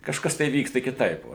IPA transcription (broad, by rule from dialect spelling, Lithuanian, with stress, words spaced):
kɐʃˈkɐs tɐɪ ˈʋʲiːkstɐ kʲɪˈtɐɪp ˈʋoː